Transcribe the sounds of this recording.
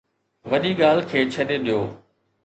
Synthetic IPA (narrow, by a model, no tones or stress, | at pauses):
ʋɐʄiɠaːlkʰeːt͡ɕʰɐɗeɗijoː